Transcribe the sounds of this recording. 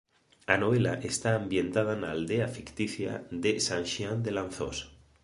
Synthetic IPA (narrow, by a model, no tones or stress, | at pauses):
anoβ̞e̞laʔest̪aːmbje̞nt̪að̞anaːld̪eafikt̪iθja̰d̪esanʃiand̪e̞lan̟θo̰s